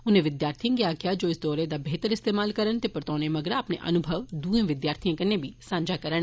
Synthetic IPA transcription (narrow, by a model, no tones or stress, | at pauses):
ʊnẽʋɪd̪jaːɾt̪ʰĩɡɪjakɪjad͡ʒoːɪsd̪ɔːɾed̪abeːt̪əɾɪst̪eːmaːlkəɾənt̪epəɾt̪ɔːnemɐɡəɾaːpnḛʔɐ̰nʊbʱəʋd̪uːẽʋɪd̪jaːɾt̪ʰijãkɐnebʱisãːɲd͡ʒakəɾən